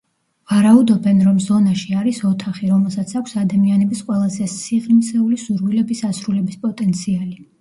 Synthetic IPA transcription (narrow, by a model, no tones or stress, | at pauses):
vaɾaud̪ɔbɛnɾɔmzɔnaʃiaɾisɔt̪ʰaχiɾɔmɛlˠsat̪sʰakʰʷsad̪amianɛbisqʼwɛlˠazɛsiʁlimsɛulisuɾvilɛbisasɾulɛbispʼɔt̪ʼɛnt̪sʰiali